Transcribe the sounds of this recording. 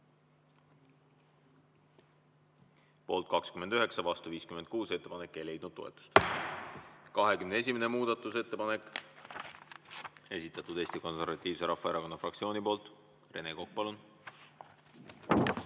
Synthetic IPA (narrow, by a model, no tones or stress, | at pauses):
po̞ːlt̪̚kɑkskymed̪yɦeksɑvɑst̪uviːskyme̞nd̪̚kuːse̞t̪ːe̞pɑne̞kːe̞jle̞jd̪̥̚nud̪̥t̪ːo̞ḛt̪ːˑu̥st̪ | kɑɦe̞kymnee̞s̬ʲimene̞muːd̪̥ɑt̪ːˑuse̞t̪ːe̞pɑne̞kː | e̞sit̪ːˑɑt̪ud̪̥e̞ːsʲt̪iko̞nse̞rvɑt̪ˑːiːvse̞ɾʔɑfːɑeɾɑko̞nːɑfrɑk̚tsio̞ːnipo̞ːlt̪ | re̞ne̞kok̚pɑlun